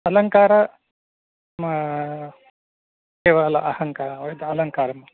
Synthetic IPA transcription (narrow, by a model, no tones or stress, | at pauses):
ɐlɐŋkaːɾɐ | mɐ | keːʋaːlɐʔɐhɐŋkaːɾʋɐjd̪ɐlɐŋkaːɾɐmɐ